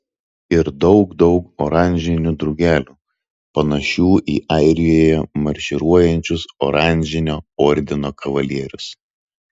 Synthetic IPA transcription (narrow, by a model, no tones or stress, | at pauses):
ɪɾd̪ɒʊɡd̪ɒʊkɔɾɑˑnʲʒʲɪnʲud̪ɾʊɡʲæːlʲuː | pɐnɐʃʲuːʔiːʔɐɪɾʲɪjoːjɛmɐɾʲʃʲɪɾuɔjɛnʲt͡ʃʲʊsɔːɾɑˑnʲˑʒʲɪnʲoːɔːɾʲd̪ʲɪnoːkʰɐʋɐlʲiɛɾʲʊs